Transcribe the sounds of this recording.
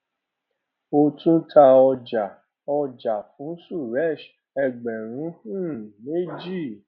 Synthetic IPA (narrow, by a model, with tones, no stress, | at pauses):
o˧tũ˦tʰa˧ɔ˧d͡ʒa˨ | ɔ˧d͡ʒa˨fũ˨˦su˦˨ɾɛ˦˨ʃ | ɛ˧ɡ͡bɛ˨ɾ̃ũ˨˦hũ˦˨me˦d͡ʒi˦˨